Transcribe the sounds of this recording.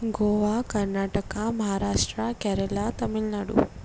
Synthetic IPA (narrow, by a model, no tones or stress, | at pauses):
ɡoʋakəɾnaʈəkaməɦaɾaʂʈɾəkɛɾəlat̪əmilnaɽṵ